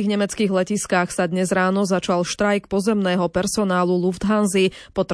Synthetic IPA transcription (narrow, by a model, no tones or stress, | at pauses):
iːɣɲɛmɛt͡skiːɣlɛciskaxsad̪ɲɛzɾaːnɔzat͡ʃalʃt̪ɾajkpɔzɛmnɛːɦɔpɛɾsɔnaːlulufd̪ɦanzipɔt̪